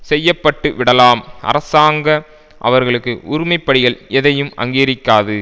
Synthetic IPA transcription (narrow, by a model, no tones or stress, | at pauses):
sɛjːɐpːɐʈːɯʋɪɽɐlaːmʔɐ̰ɾɐsaːŋɡɐ | ʔɐ̰ʋɐɾɣɐɭɯkːɯʔʊɾɪmɐɪpːɐɽɪɣɐɭɛðɐjɯmʔɐ̰ŋɡiːɾɪkːaːðɯ